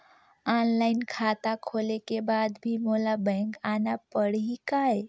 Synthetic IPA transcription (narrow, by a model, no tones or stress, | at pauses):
anlaɪnkʰat̪akʰolekebad̪bʱimolabəŋkanapəɽikae